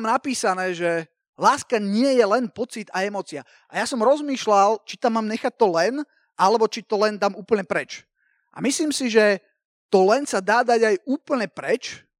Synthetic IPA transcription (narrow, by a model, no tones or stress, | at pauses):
mnapiːsanɛːʒɛ | laːskaɲɪɛjɛlɛnpɔt͡sit̪ajɛmɔːt͡sia | ajasɔmɾɔzmiːʃlalt͡ʃit̪amːaːmɲɛxac̚t̪ːɔlɛn | ʔalɛbɔt͡ʃit̪ɔlɛnd̪amuːpl̩ɲɛpɾɛt͡ʃ | ʔa̰misliːmsiʒɛ | t̪ɔlɛnsad̪aːd̪aɟajuːpl̩ɲɛpɾɛt͡ʃ